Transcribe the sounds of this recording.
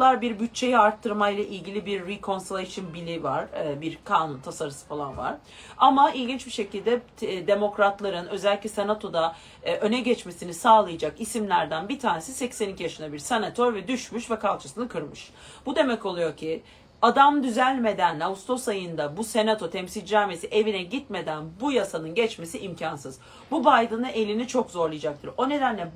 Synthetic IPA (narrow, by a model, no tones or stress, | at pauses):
lˠaɾbiɾbyt̚t͡ʃʰːe̞jiaɾt̪ʰːɯɾmajlˠaʔilʲɟilʲibiɾːikʰo̞nsilʲeʃɯnbilʲivaɾ̥biɾkʰaːnunt̪ʰasaɾɯsɯ̥falˠanva̰ɾ̥ | amailʲɟint͡ʃbiʃe̞cʰilʲd̪ɛ | d̪e̞mo̞kɾat̪lˠaɾɯnø̞zɛlʲːicʲlʲɛse̞nat̪ʰo̞d̪a | ʔø̞nɛɟɛt͡ʃme̞sinisaːlˠajad͡ʒakisimlʲæɾd̪ænbit̪ʰaːne̞sisɛcsænicʰijaʃɯnd̪abiɾsenat̪ʰo̞ɾvɛd̪yʃmyʃvɛkʰalˠt͡ʃʰɯ̥sɯnɯkʰɯɾmɯʃ | b̥ud̪e̞mɛco̞lˠujo̞ɾcʰi | ad̪amd̪yzælʲme̞d̪ænaust̪ʰo̞sajɯnd̪abuse̞nat̪ʰo̞t̪ʰɛmsild͡ʒɾaːme̞siʔe̞vinɛɟit̪me̞d̪ænbujasanɯnɟɛt͡ʃme̞siʔimcʰansɯz̥ | bubajd̪ɯnɯe̞lʲinit͡ʃʰo̞kzo̞ɾlˠɯjd͡ʒak̚t̪ʰɯɾo̞ne̞d̪ænlʲɛ